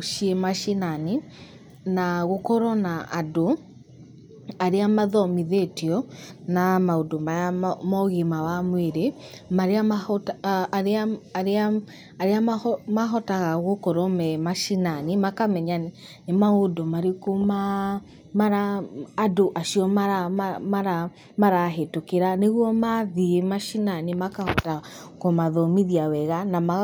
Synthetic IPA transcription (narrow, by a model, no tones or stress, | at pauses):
ʃiemaʃinani | naɣokɔɾɔnaʔado | aɾeamaðɔmiðetiɔnamaodomaamɔɣimawamweɾemaɾeaataɾeaɾea | aɾeamaɦɔtaɣaɣokɔɾɔmɛmaʃinanimakamɛɲan | nemaodomaɾekoma | maɾaːdoʔaʃiɔmaɾamaɾa | maɾaɦetokeɾaneɣwɔmaðiemaʃinanemakahɔ̰ta | komaðɔmiðiawɛɣanama